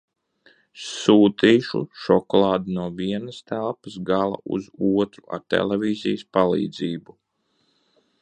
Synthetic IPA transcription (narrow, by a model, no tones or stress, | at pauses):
suːt̪iːʃṵʃɔkɔlˠaːd̪unuɔviɛnɐst̪ælˠpəsɡalˠa̰ʔṵzuɔt̪ɾua̰ɾt̪ɛ̰lɛvʲiːzijəspalˠḭːd̪ziːbu